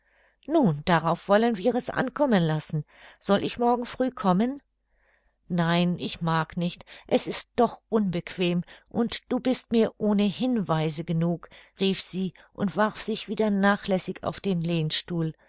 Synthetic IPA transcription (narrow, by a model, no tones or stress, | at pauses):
nuːnd̥aʁaʊfv̥ɔlənviːʁɛsʔa̰nkʰɔmənlasn̩ | z̥ɔlʔɪçmɔɐɡŋ̩fʁ̥yːkʰɔmən | naɪnʔɪçmaːknɪçtʔɛsɪst̚d̥ɔχʔʊnbəkv̥eːmʔʊntd̥uːbɪstmiːɐʔoːnəhɪnvaɪzəɡənuːkʁiːfz̥iː | ʔʊntv̥aʁfz̥ɪçv̥iːdɐnaːχlɛsɪça̰ʊfd̥eːnleːnʃtuːl